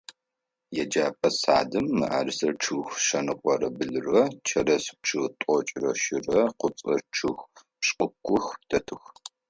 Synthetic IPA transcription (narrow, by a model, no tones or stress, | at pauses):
jɛd͡ʒaːpʰʼɐsa̰ːdɨmːɨʔa̰ːrsɐrʈ͡ʂʰɨːxʃɐnɨqʷʼɔɾɐbɨɮɨrɐt͡ʃʰɐrɐsɨ̥p̚ʈ͡ʂʰɨtʼɔt͡ʃʼrɐʃɪrɐqʷʊp̚t͡sʼɐʈ͡ʂʰɨx | ɕʼʊkʷʰːʊxtʰɐtʰɨx